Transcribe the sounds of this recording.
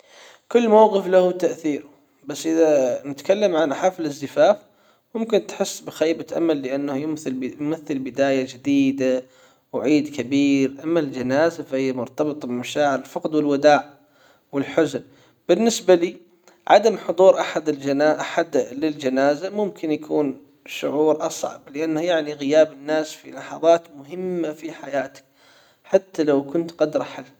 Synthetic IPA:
kʊlːmawɣɨflahʊt̪aʔθiːɾʊ | basːʔɪðanɪt̪kalːamʕanʔaħafɪlɪzɪfaːf | mʊmkɪnt̪ħɪsːbɪxaːbat̪ʔa̰malːɪʔanːahjʊmθɪljʊmaθːɪlbɪd̪aːjad͡ʒɪd̪iːd̪a | wʕiːd̪kabiːɾʔamːald͡ʒanaːzafahɪjːamʊɾt̪ɑbɨt̪ˤbɪmaʃaːʕɪɾɪlfɑqd̪wɪlwad̪aːʕ | wɪlħʊzʊn | b̥ɪnːɪsbaliː | ʕa̰d̪amħʊd̪ˤuːɾʔaħad̪ɪaʔaħad̪lɪld͡ʒanaːzamʊmkɪnjakʰuːn | ʃʊʕuːɾʔɑsˤʕɑ̰blɪʔanːajaʕniɣɪjaːbɪnːaːsfḭlɑħɑðˤɑːt̪mʊɦɪmːafiħajaːt̪ḁk̚ | ħat̪ːalawkʊnt̪qɑd̪ɾˤɑħalː

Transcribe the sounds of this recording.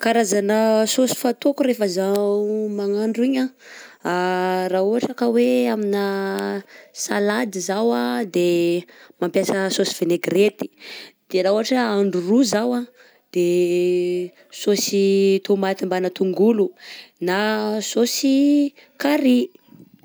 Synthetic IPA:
kaɾazanəsosi̥fat̪okuɾefəzaumaŋaɳɖ͡ʐuiɲaarauɦaʈ͡ʂakəweaminə | salad̪izawad̪emampjasəsosi̥v̥eneɡret̪i̥d̪̥eɾauaʈ͡ʂəaɳɖ͡ʐuruzawa | d̪̥e | sosit̪omat̪imbanət̪uŋɡulunasosi | kaɾi

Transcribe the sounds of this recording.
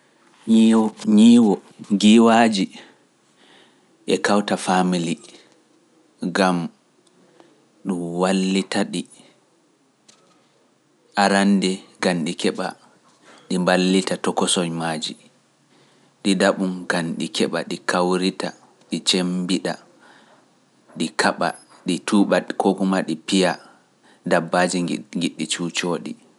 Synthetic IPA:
ɲiːwɔɡiwad͡ʒi | ʔɛkawtafamili | ɡam | ɗumwalːitaɗi | ʔaɾandɛɡanɗikɛɓa̰ | ɗimbalːitatɔkɔsɔɲmaːd͡ʒi | ɗidaɓunɡanɗikʰɛɓa̰ɗikʰawɾita̰ | ɗit͡ʃembiɗa | ɗikʰaɓa̰ | ɗituɓakʰokumaɗipija | dabːad͡ʒiŋɡiɗːit͡ʃut͡ʃoːɗḭ

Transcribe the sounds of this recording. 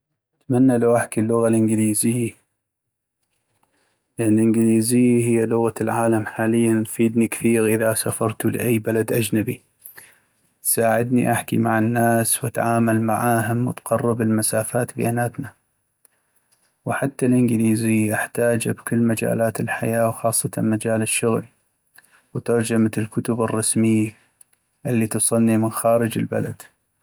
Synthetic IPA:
ʔʔat̪manːalawʔaħkilːʊɣalʔɪnɡliːzɪjːa | lʔɪnɡliːzɪjːaɦɪjːalʊɣalʕaːlamħaːlɪjːafiːd̪nikḁθiːɣʔɪðasafɑɾˤt̪ulɪ̰ʔajːbalad̪ʔad͡ʒnabi | saːʕɪd̪niʔaħkimaʕɪnːaːswʔat̪ʕaːmalmaʕaːɦʊmwɪt̪qɑrˤːɨbɪlmasaːfaːt̪bɪ̰ʔanaːt̪na | wħat̪ːalʔɪnɡɪliːzijʔaħt̪aːd͡ʒabkʊlːmad͡ʒa̰ːlaːt̪ɪlħa̰jaːwxɑːsˤːɑt̪amad͡ʒaːlɪʃːʊɣli | wt̪ɑɾˤd͡ʒamatɪlkʊt̪ʊbɨrˤːɑsmɪjːa | ʔɪlːit̪usˤɨlnimɪnxaːɾɪd͡ʒɪ̰lba̰la̰d̪̥

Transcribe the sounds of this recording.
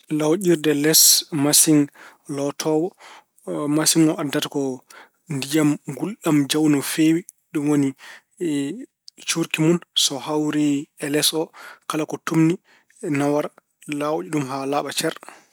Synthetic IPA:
lawʔiɾdɛlɛsmasiŋlɔtʰɔwɔ | masiŋɔʔadːatḁkɔ | ndijamɡulɗamd͡ʒawnɔfewi | ɗumwoni | t͡ʃuɾkimunsɔhawɾiɛlɛsɔkalakɔtumni | nawaɾ | lawd͡ʒiɗumɦalaːɓat͡ʃɛɾ

